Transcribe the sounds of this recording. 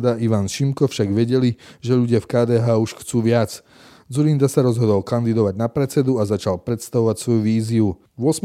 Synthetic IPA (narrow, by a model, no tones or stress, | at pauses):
d̪aiʋaːnʃimkɔfʃaɡʋɛɟɛliʒɛʎuɟɪafkaːd̪ɛːɦaːuʃxt͡suːʋɪat͡s | d͡zuɾind̪asaɾɔzɦɔd̪ɔlkand̪id̪ɔʋaɟnapɾɛt͡sɛd̪uazat͡ʃalpɾɛt̪st̪aʋɔʋacsʋɔjuʋiːziu | ʋʊɔsm